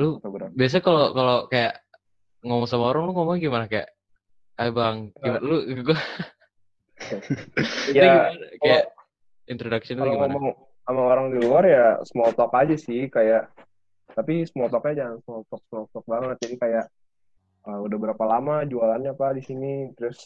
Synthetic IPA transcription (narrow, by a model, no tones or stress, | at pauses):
lut̪bbias̬akalokalokajaʔ | ŋomɔŋsamaoɾaŋluŋomɔŋɡimanakaja̰ʔ | ajabaŋɡimanluikuku | jaaɡinakajaʔ | int̪ɾodaksinɔmɔŋ | amaoɾaŋdiluarjasəmɔt̪ɔkad͡ʒasɪhkajaʔ | t̪apisəmɔt̪ɔk̚ɲad͡ʒaŋansəmɔt̪ɔk̚səmɔt̪ɔk̚baɾŋad͡ʒadikajaʔ | əudahbəɾapalamad͡ʒualanɲapadisinit̪ɾʊs